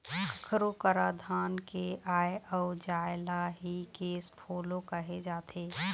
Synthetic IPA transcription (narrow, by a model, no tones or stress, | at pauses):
əkʰəɾokəɾad̪ʱaːnkeʔaːeʔɔːd͡ʒaːɪlaɦikeːspʰoːlõkəɦed͡ʒaːt̪ʰeː